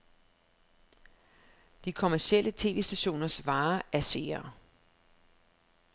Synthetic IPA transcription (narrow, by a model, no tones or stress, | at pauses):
d̥ikʰo̝mæɐsiel̰ʔət͡sʰe̝ːʋe̝̰ːsd̥æɕo̝̰ːnɐsʋɑ̈ːæɐse̝̰ːɐ